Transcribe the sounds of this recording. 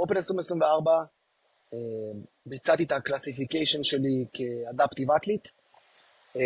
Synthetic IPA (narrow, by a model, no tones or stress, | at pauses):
openesʁimesʁimveaʁba | e | bit͡sat̪it̪aklasifikejʃonʃelikʰead̪apt̪ivat̪lit̪